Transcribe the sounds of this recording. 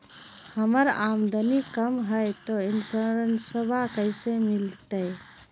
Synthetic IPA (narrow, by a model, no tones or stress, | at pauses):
həməɾaːmd̪ənikəmɦəjt̪oɪnsəɾənsəbʱakəjsemɪlt̪əj